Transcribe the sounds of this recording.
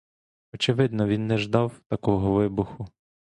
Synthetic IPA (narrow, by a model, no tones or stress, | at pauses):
ɔt͡ʃɪʋɪd̪nɔʋʲinːɛʒd̪ɑwt̪ɐkɔɦɔʋɪbʊxʊ